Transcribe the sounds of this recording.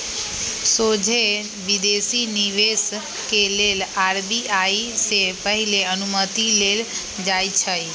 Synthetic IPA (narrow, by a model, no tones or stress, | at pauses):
sod͡ʒʱe | ʋid̪esiniʋes | kelelaːɾbiʔaisepəɦileənumət̪ilel | d͡ʒajt͡ʃʰəj